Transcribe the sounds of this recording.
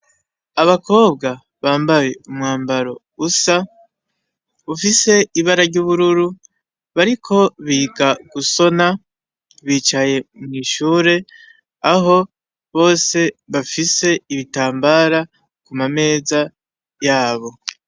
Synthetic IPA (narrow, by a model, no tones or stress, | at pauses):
aβako̞ːb̚ɡa | βaːmbaje̞umŋaːmbaɾo̞ | usa | βufise̞iβaɾaɾɟuːβuɾuɾu | βaɾikʰo̞βiːɡaɡ̥uso̞na | βiːt͡ʃaje̞mŋiːʃuːɾe̞ | aɦo̞ | βo̞ːse̞βafise̞iβitaːmbaɾa | kumame̞ːza | jaːβo̞